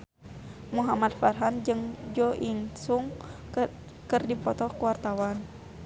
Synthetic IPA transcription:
muɦamad̪̚farɦand͡ʒɨŋd͡ʒɔʔiŋsuŋ | kɨrdipɔt̪ɔkuwart̪awan

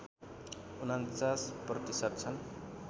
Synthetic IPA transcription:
unant͡sasprʌt̪isʌt̪̚t͡sʰʌn

